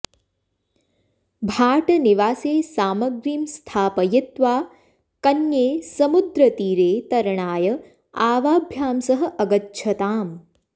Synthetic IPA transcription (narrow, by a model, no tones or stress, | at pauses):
bʱaːʈɐniʋaːseːsaːmɐɡɾiːmst̪ʰaːpɐjɐt̪ʋaː | kɐnjeːsɐmud̪ɾɐt̪iːɾeːt̪ɐɾɐɳaːjɐ | aːʋaːbʱjaːmsɐɦɐ̆ʔɐɡɐtːʃʰɐt̪aːm